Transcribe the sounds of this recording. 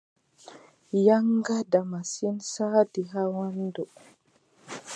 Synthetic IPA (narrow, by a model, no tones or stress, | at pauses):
jaŋɡadamasinsaːdiɦawando